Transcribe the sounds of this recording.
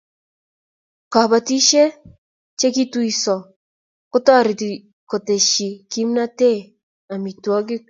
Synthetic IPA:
ka˨ba˨ti˦ʃe˦ | t͡ʃe˦ki˦twi˨sɔ˨ | kʊ˦tɔ˦˨ɾɪ˨ti˨ | ko˨te˨ʃi˨ki˦mna˦te˦˨ | a˨mi˨twɔ˦ɡɪ˦

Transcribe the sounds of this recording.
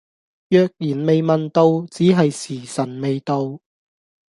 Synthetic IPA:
jœː˨˧k̚jiː˨˩nme˨jmɐ˨nt̪o˧wt͡siː˨˥ɦɐ˨jsiː˨˩sɐ˨˩nme˨jt̪o˧w

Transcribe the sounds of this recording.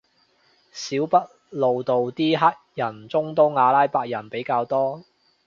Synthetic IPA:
siː˨˥wpɐ˥t̚ | lo˨wt̪o˨wt̪iː˥ɦaː˥k̚jɐ˨˩nt͡sʊ˥ŋt̪o˥wŋaː˨˧laː˥jpaː˧k̚jɐ˨˩npe˨˥jkaː˧wt̪ɔː˥

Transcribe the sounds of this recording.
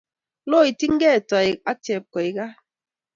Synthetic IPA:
lo˦i˨ti˦ŋ̩˦ɡɛ˦˨tɔ˨i˨a˦tje˨p̚kɔ˨i˨ɡa˦

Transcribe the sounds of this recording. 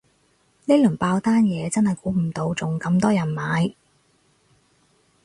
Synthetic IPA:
ne˥jlɵ˨˩ŋpaː˧wt̪aː˥njɛː˨˧t͡sɐ˥nhɐ˨jkuː˨˥m̩˨˩t̪o˨˧˥wt͡sʊ˨ŋkɐ˧mt̪ɔː˥jɐ˨˩nmaː˨˧j

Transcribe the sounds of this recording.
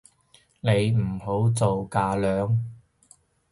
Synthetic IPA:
ne˨˧jm̩˨˩ho˨˥wt͡so˨wkaː˧lœː˨˧ŋ

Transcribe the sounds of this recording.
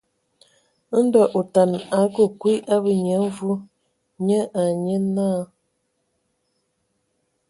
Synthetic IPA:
n̩˦dɔ˨ʔo˨ta˨na˨˦kə˨kwi˦ʔa˦bə˦ɲə˨˦vu˦ | ɲə˦ʔa˨ɲə˦naː˦˨

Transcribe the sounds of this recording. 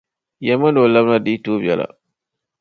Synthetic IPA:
ja˨ma˦no˨la˦bna˦˨di˦to˦ba̰˨la̰˨

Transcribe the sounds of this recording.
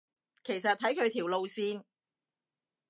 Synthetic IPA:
kʰe˨˩jsɐ˨t̪̚ʰːɐ˨˥jkʰɵ˨˧ɥt̪ʰiː˨˩wlo˨˧wsiː˧n

